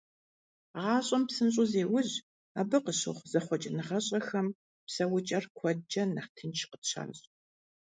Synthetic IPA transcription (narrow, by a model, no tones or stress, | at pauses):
ʁɑːɕʼɐmpsɨnɕʼʊzeːwʊʑ | aːbɨqəɕɨ̰ʁʷz̥ɐχʷɔt͡ʃʼɪnɨʁɐɕʼɐxɐm | psɐwʊt͡ʃʼɐrkʷʰɔd͡ʒɐnɐχtʰɨnt͡ʃʰqətɕʰɐ̰nɕʼ